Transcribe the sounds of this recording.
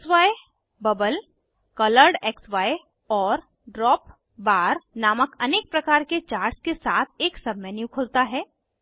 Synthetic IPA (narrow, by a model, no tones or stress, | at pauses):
sʋaːe | bɐbəl | kɐləɾɖeːksʋaːe | ɔːɾ | ɖɾɔːp | baːɾnaːməkɐneːk̚pɾɐkaːɾket͡ʃaːɾɖskesaːt̪ʰeːksɐbmɛ̃njũkʰʊːlt̪aɦɛː